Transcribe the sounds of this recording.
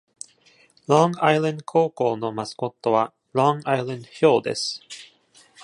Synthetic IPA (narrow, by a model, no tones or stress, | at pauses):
lõŋailãnd̪okʰoːko̞ːno̞masɨ̥ko̞t̪ːo̞βa | lõŋailẽnd̪oço̞ːd̪ḛsɨ̥